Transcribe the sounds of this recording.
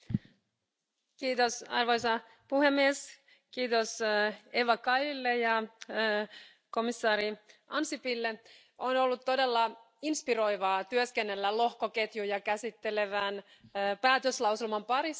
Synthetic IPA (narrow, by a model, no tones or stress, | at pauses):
kiːt̪osɑ̰rʋo̞jsɑ | puhemːies | kiːt̪oseʋɑkɑjilːejɑ | ko̞misːɑːɾiɑnsipilːe | ʔono̞lːut̪ːo̞de̞lːɑ | inspiro̞jʋɑːt̪yøske̞nːe̞lːælo̞hkoke̞t̪jujɑkæsit̪ːele̞ʋænː | pæːt̪øslɑwsilmɑmpɑɾis